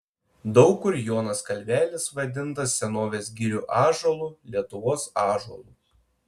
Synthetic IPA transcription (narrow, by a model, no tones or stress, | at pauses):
d̪ɒʊkʊɾʲjoːnɐskɐlʲˑʋʲæːlʲɪsʋɐd̪ʲɪnt̪ɐsːʲɛnoːʋʲeːsɡʲɪɾʲuːʔɑːʒolˠuːˑlʲiɛt̪ʊʋoːsɑːʒɔ̰lˠuˑ